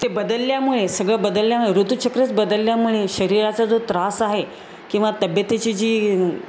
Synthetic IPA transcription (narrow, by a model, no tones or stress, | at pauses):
t̪ebəd̪əlːjamuɭesəɡɭəbəd̪əlːjamuɭeɾut̪ut͡ɕəkɾət͡sbəd̪əlːjamuɭeɕəɾiɾat͡sad͡zot̪ɾasaɦe | kĩw̃ʋat̪əbjət̪et͡ɕid͡ʑiː